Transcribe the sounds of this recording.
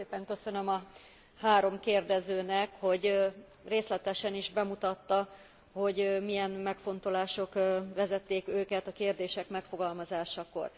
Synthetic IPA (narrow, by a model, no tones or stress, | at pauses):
eːpɛŋkø̞sø̞nø̞mɒ | haːɾo̞mkeːrd̪ɛzøːnɛkho̞ɟ | reːslɛt̪ɛʃɛniʒbɛmut̪ɒt̪ːɒ | ho̞ɟmijɛnmɛkfo̞n̪t̪o̞laːʃo̞kʋɛzɛt̪ːeːkøːkɛt̪ɒkeːrd̪eːʃɛkmɛkfo̞ɡɒlmɒzaːʃɒko̰r